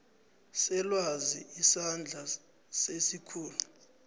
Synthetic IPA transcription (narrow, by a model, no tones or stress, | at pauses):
sɛlwaziisand͡ɮʱa | sesikʰuːlu